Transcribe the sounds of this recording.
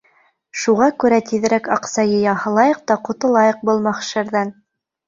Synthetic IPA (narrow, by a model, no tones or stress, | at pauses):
ʃuʁɑkʉɾæt̪iðɘ̆ɾækɑqsɑjɤjɑhɤ̆lˠɑjɤ̆q̚t̪ɑqŏt̪ɤ̆lˠɑjɤq̚bɤ̆lˠmɑχʃɘɾðæn